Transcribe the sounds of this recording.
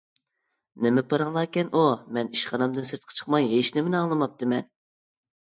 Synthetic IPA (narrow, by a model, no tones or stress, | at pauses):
nɪmɛpʰɑɾɑŋlˠɑːkʲɛnʔumɛniʃχɑnɑmd̪ɨnsɨɾt̪̚qʰɑ̥t͡ʃʰə̥χmɑjɦeʃnɪmɪnɑŋlˠɨmɑp̚t̪ʰɨmɛn